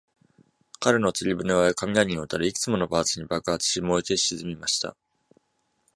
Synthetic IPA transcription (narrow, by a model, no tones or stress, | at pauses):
kaɾeno̞t͡sɨɾʲibɯ̟neβaekamʲiaɲ̟ĩot̪aɾɯ̟ikɯ̥t͡sɨmo̞no̞baːt͡sɨɲ̟ibakɯat͡sɨ̥ɕimo̞ikeɕizɨmʲimaɕi̥t̪a̰